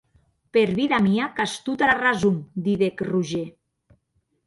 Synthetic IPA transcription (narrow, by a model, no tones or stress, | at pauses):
peɾβiðamiakast̪ut̪aɾarazumd̪iðekruʒe